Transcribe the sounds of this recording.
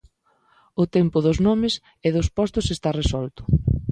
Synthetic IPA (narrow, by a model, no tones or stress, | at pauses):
ʊt̪ɛmpʊðʊznɔmɪs | ɪðʊspɔst̪ʊsest̪aresɔlt̪ʊ̥